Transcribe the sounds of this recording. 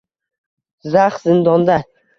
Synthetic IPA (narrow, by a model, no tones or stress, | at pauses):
zaχzɪnd̪ɒnd̪a